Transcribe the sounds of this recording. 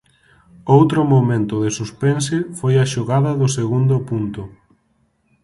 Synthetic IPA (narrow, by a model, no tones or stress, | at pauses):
owt̪ɾʊmomẽnt̪ʊðɪsuspensɪfojɐʃoɣaðɐðʊseɣund̪ʊpunt̪ʊ